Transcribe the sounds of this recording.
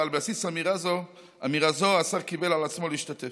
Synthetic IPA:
albeasisamiʁazo | amiʁazoasaʁkibelalat͡smoliiʃtat̪e

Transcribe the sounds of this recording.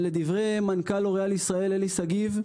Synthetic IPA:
le̞d̪ivʁejmankaloʁealisʁae̞lelisaɡiv

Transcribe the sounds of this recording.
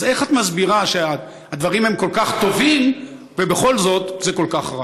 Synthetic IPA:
ze̞χat̪mazbiʁaʃea | ad̪vaʁimhemko̞lkaχt̪o̞vim | vebeχo̞lzo̞t̪zeko̞lkaχʁa

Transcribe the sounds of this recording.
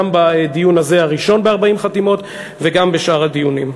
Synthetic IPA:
ambad̪ijunaze̞haʁiʃo̞nbeaʁbaimχatimo̞t̪ | veɡambeʃʔaʁad̪ijunim

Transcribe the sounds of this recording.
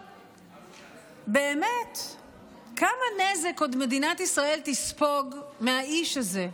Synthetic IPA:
be̞ːme̞t | kamane̞zeko̞d̪me̞d̪inat̪isʁae̞lt̪ispo̞ɡmeɦaiʃaze̞

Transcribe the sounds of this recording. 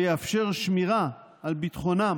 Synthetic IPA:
jeafʃe̞ʁʃmiʁaː | lbit̪χo̞na

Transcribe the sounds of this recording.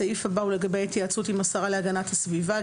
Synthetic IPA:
aifabaule̞ɡabe̞jat̪jeat͡sutimasaʁaleaɡanathasviva

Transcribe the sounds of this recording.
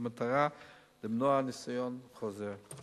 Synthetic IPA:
mətaɾa | dɪbnɔanɪsajɔnχɔzɛ

